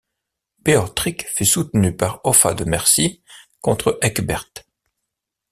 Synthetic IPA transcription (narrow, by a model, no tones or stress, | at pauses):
b̥eɔt̪χikfysut̪nypaʁɔfad̪əmɛʁsikɔ̃t̪χəʔɛkbɛʁt̪